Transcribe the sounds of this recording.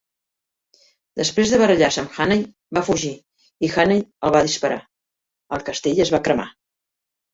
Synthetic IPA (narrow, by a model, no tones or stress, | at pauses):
d̪əspɾezðəβərəʎasəmxanəj | bafuʒi | ixanəjəlˠβaðispəɾa̰ | əlˠkəst̪eʎəzβakɾəma̰